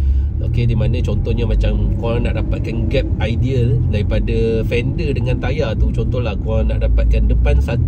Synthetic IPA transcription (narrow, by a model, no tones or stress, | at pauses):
ʔo̰kedimanə̃t͡ʃɔnt̪ɔhɲamãt͡ʃamkoaŋnaʔdapat̪̚kanɡɛp̚ajdiəldaɾipadafɛndədəŋant̪ajat̪ut͡ʃɔnt̪ɔhlahkoɾaŋnaʔdapat̪̚kandəpansat̪